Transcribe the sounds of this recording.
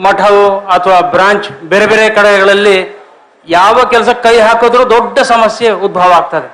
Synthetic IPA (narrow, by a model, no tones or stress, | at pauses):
mɐʈʰɐʋuɐt̪ʰɐʋaːbɾaːɲt͡ʃbeːɾebeːɾekɐɽɐɡɐɡɐɭɐlːi | jaːʋɐkɛlɐsɐkːɐjɦaːkoːd̪ɐɾuːd̪ɔɖːɐsɐmɐsjeud̪̚bʱɐʋɐaːɡ̚t̪aːd̪e